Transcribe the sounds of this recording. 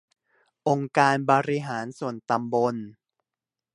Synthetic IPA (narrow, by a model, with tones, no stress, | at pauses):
ʔo˧ŋkaː˧nbɔː˧ɾi˧ɦaː˩˦nsu˨˩ənt̪a˧mbo˧n